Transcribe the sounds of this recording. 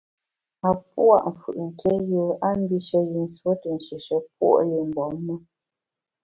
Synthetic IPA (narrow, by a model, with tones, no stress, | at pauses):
a˨p̚u˦a̰˦˨ʔɱ̩˨fṵ˨ʔŋ̩˨kɛ˦jo˦a˦m˦bi˦ʃə˦ji˨n̩˨swo˦tə˨n̩˨ʃe˨ʃə˦p̚wo̰˦ʔli˨m̩˨bɔ˨˦m˦mə˦